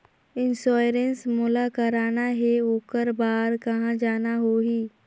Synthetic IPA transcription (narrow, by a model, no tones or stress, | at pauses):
ɪnsɔːjɾensmʊlakɐɾaːnaɦɛoːkəɾbaːɾkɐɦãd͡ʒaːnaɦoɦiː